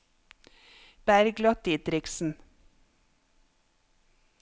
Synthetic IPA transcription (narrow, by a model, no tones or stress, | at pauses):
b̥æɾɡlɑt̪̚d̪iːt̪ɾɪksn̩